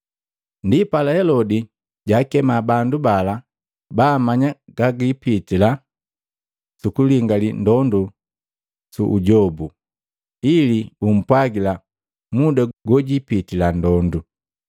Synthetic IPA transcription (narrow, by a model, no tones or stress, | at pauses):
ndipalahɛlɔdi | ɟaːkɛmabandubala | baːmaɲaɡaɡipitila | sukuliŋɡalindɔndu | suʔuɟɔbu | ilibum̩pwaɡila | mudaɡɔɟipitilandɔndu